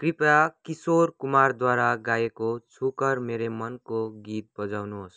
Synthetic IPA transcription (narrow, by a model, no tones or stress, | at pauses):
kripakisorkumard̪waɾaɡajekot͡sʰukʌrmeɾemʌnkoɡit̪̚bʌd͡zawnuɦos